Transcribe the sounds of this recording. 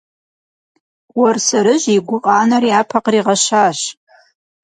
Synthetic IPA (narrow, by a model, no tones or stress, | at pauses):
wɐrsɐɾɨʑiɡʷʊqʼɑːnɐriaːpʰɐqriːʁɐʃaːɕ